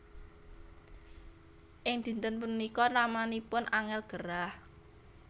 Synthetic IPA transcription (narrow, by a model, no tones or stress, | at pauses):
ʔɪŋd̪̥i̤nt̪ənpunikɔnamanipʊnʔaŋɛlɡ̥əɾah